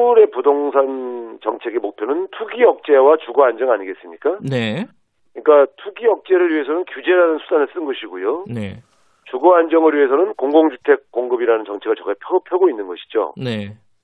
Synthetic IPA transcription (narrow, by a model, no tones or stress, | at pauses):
uɾe̞pudoŋsʰant͡ɕʌŋt͡ɕʰe̞ɡemok̚pʰjonɯntʰuɡijʌk̚t͡ɕ͈e̞wat͡ɕuɡoand͡ʑʌŋaɲiɡe̞s͈ɯmɲik͈ane | kɯɲik͈atʰuɡiʌk̚t͡ɕ͈e̞ɾɯɭɥiɦe̞sʰʌnɯnkjud͡ʑe̞ɾanɯnsʰudanɯɭs͈ɯnɡʌɕʰiɡojone | t͡ɕuɡoand͡ʑʌŋɯɭɥiɦe̞s̬ʰʌnɯnkoŋɡoŋd͡ʑutʰe̞k̚k͈ːoŋɡɯbiɾanɯnt͡ɕʌŋt͡ɕʰeɡɯɭt͡ɕʌɡapʰjʌɯpʰjʌɡoinːɯnɡʌɕʰi̥d͡ʑo̰ne